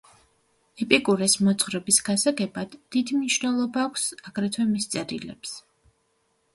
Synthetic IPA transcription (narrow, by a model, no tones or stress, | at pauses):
ɛpʼikʼuɾɛsmɔt̪sʼχɾɛbisɡasaɡɛbad̪̥ːid̪imniʃvnɛlˠɔbaːkʷʰsaɡ̥ɾɛt̪ʰwɛmist̪sʼɛɾḭlɛ̰ps